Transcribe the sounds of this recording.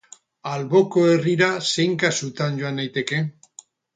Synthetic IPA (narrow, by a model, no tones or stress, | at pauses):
alβo̞ko̞e̞riɾase̞jŋkasut̪and͡ʒo̞anːajt̪e̞ke̞